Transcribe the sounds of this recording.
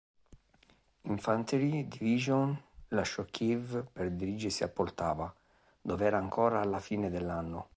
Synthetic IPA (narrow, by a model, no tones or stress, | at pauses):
iɱfant̪eɾid̪iviʒonlaʃːɔkʰːivperd̪iɾid͡ʒɪsiapːort̪aːva | d̪ɔvɛːɾaːŋkʰɔːɾaːlːafiːned̪elːanːʊ